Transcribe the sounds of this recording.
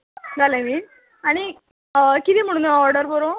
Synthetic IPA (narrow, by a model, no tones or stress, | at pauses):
d͡zalemiː | aɽ̃i | kit̪iːm̤əɽ̃ũːneɔɾɖəɾboɾo